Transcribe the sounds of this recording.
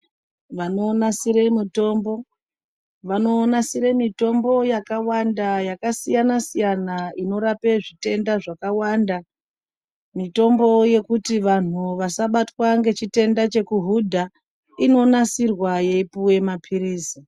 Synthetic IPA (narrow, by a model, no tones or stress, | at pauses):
ʋano̞ːnasiɾe̞mito̞ːmbo̞ | ʋano̞ːnasiɾe̞mito̞mbo̞jakawandajakasijanasijanaino̞ɾape̞ʐite̞ndaʐakawanda | mito̞mbo̞je̞kutiʋan̤uʋasaɓatwaŋɡe̞t͡ʃite̞ndat͡ʃe̞kuɦudʱa | ino̞nasirwajeipuwe̞mapʰiɾiːsi